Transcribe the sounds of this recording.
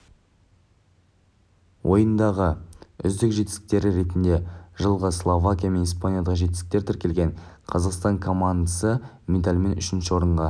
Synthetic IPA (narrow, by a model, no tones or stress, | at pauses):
wʔo̞jənd̪ɑʁəʏ̰zd̪ɪkʒet̪ɪst̪ɪ̥k̚t̪e̞ɾɪɾe̞t̪ɪnd̪e̞ʒəlˠʁəslˠovakʲijame̞nispanjad̪ɑqʒe̞t̪ɪsɪk̚t̪e̞ɾt̪ʰɪɾkʲe̞lʲɡʲe̞ɴqʰɑzɑqst̪ɑŋkʰo̞mand̪sə | mʲed̪alʲme̞nʏʃɪnʃɪwo̞ɾəɴʁɑ